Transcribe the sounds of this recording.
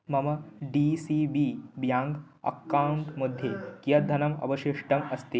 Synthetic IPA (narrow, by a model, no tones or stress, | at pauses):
mɐmɐɖisiːbiːbjaːŋɡ | ɐ̰kːaːwuɳʈmud̪ʱjekijɐd̪ʱɐnɐmɐ̰bɐʃiʂʈɐmɐst̪i